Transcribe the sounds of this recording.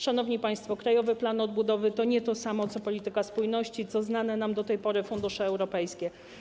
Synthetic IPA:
ʂanɔvɲipaj̃st̪fɔkɾajɔvɘplanɔd̪̚bud̪ɔvɘt̪ɔɲɛt̪ɔsamɔt̪sɔpɔlʲit̪ɘkaspujnɔɕt͡ɕit̪sɔznanɛnamd̪ɔt̪ɛjpɔɾɘfund̪uʂɛɛwɾɔpɛjskʲɛ

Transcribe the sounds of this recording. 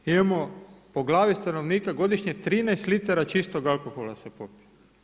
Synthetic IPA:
imamo̞po̞ɡlˠaːʋist̪ano̞ʋniːkaɡo̞d̪iʃɲet̪ɾiːnɛjst̪lit̪aɾat͡ʃist̪o̞ɡalˠko̞xolasepopie

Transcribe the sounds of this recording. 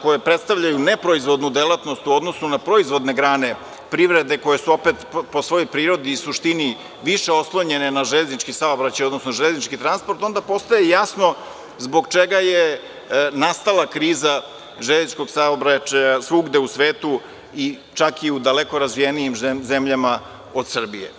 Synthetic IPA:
ko̞jepɾet̪st̪aʋʎajunepɾo̞izʋo̞d̪nud̪elˠat̪no̞st̪uo̞d̪no̞snunapɾo̞izʋo̞d̪ne̞ɡɾaːne̞ | pɾiʋɾe̞d̪e̞ko̞je̞suo̞pet̪po̞sʋo̞jo̞jpɾiːɾo̞d̪iːsuʃt̪ini | ʋiʃeo̞slˠoɲe̞nenaʒeʎeznit͡ʃkisaobɾat͡ɕajod̪nosnoʒeʎeznit͡ʃkit̪ɾanspo̞ɾt̪o̞nd̪apo̞st̪ajejasno̞ | zbo̞ɡt͡ʃeɡaje | nast̪alakɾiːza | ʒeʎezit͡ʃko̞ɡsaobɾat͡ʃajasʋuɡd̪e̞usʋeːt̪u | it͡ʃakiud̪aleko̞ɾazʋijenijimzemʎama | o̞d̪sr̩bijḛ

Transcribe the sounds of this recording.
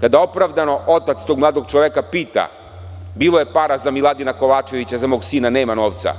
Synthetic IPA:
kad̪ao̞pɾaʋd̪ano̞ʔo̞t̪at̪st̪o̞ɡmlˠaːd̪o̞ɡt͡ʃoʋekapiːt̪a̰ | biːlˠo̞je̞paɾazamilˠad̪inako̞ʋaːt͡ʃe̞ʋit͡ɕazamo̞ːɡsiːnane̞ːmano̞ːʋt̪sa̰

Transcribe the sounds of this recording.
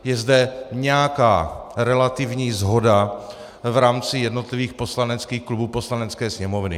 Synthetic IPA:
jɛzdɛɲɛjakaːɾɛlat̪ɪvɲiːzɦo̞da | vɾaːmt͡sɪjɛdno̞t̪lɪviːxpo̞slanɛt͡skiːxklubuːpo̞slanɛt͡skɛːsɲɛmo̞vnɪ̰

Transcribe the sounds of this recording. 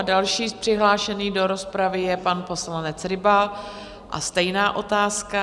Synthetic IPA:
dalʃiːpr̥ɪɦlaːʃɛniːdo̞ɾo̞spɾavɪjɛpanpo̞slanɛt͡sɾɪbal | ʔa̰st̪ɛjnaːʔo̞t̪aːska

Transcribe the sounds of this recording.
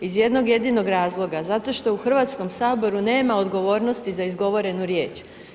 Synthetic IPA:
izje̞d̪no̞ɡje̞d̪ino̞ɡɾaːzlˠo̞ɡazat̪o̞ʃt̪o̞uxr̩ʋaːt̪sko̞msaːbo̞ɾune̞ːmaod̪ɡo̞ʋo̞ːɾno̞st̪izaizɡo̞ʋo̞ɾe̞nuɾjeːt͡ʃ

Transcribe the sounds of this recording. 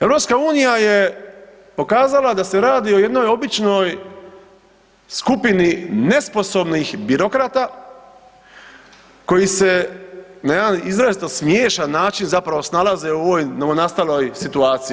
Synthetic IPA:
eʋɾo̞pskauːnijaje | po̞kaːzalad̪ase̞ɾaːd̪io̞je̞d̪no̞jo̞bit͡ʃno̞j | skupinine̞spo̞so̞bnixbiɾo̞kɾat̪a | ko̞jise̞najed̪anizɾaelst̪osmjeːʃanːaːt͡ʃinzapɾaʋo̞snalazeuoʋoːjnoonast̪alo̞jsit̪uaːt̪sii

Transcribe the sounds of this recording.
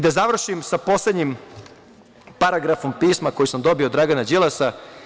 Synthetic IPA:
d̪azaʋr̩ʃimsapo̞sled̪ɲim | paɾaɡɾafo̞mpiːsmako̞jisamd̪o̞bio̞d̪ɾaɡanad͡ʒilasa

